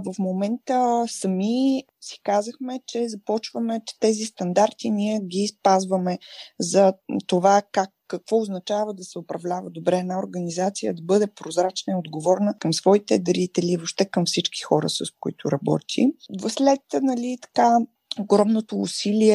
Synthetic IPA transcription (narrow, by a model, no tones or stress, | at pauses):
vəfmomɛnt̪əsəmi | si̥kazəxmɛt͡ʃɛzɐpɔt͡ʃvəmɛt͡ʃɛ̥t̪ɛzist̪ɐnd̪aɾt̪iniɛɡʲispazvəmɛzɐt̪ovakakːɐkvɔʊznɐt͡ʃavəd̪ɐsɛʊpɾɐvlʲavəd̪obɾɛːnaoɾɡɐnizat̪sijə̰d̪ɐbɤd̪ɛpɾozɾat͡ʃnəiod̪ɡovɔɾnəkəmsvɔit̪ɛd̪ɐɾit̪ɛlivopʃt̪ɛkəmfsit͡ʃki̥xɔɾə̰səskoit̪ʰʊɾɐbɔ̰t̪ʰḭvslɛt̪nɐlʲit̪ɐ̥ka | oɡɾɔmnot̪o̰ːsilʲiɛ